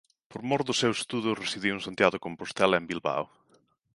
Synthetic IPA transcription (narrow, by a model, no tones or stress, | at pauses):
poɾmoɾðʊsewse̥st̪uðʊresiðiwũŋsant̪jaðʊkompost̪ɛlɐembilβa̰w